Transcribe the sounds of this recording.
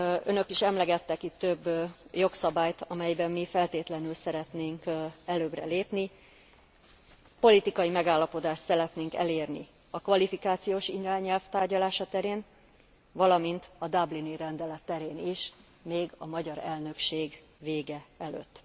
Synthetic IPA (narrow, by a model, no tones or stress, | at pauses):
ø̞nø̞kiʃɛmlɛɡɛt̪ːɛkit̪ːø̞bːjo̞ksɒbaːjt̪ɒmɛjbɛmːifɛlt̪eːt̪lɛnylsɛɾɛt̪neːŋkɛløːbrɛ̰leːpni | po̞lit̪ikɒjimɛɡaːlːɒpo̞d̪aːʃt̪sɛɾɛt̪neːŋkɛ̰leːrni | ɒkʋɒlifikaːt̪sijoːʃinraːɲːɛlft̪aːrɟɒlaːʃɒt̪ɛɾeːn | vɒlɒmint̪ɒd̪abliniɾɛnd̪ɛlɛt̪ːɛɾeːniʃ | meːɡɒ̰mɒɟɒɾɛlnø̞kʃeːɡ | veːɡɛɛlø̰t̪ː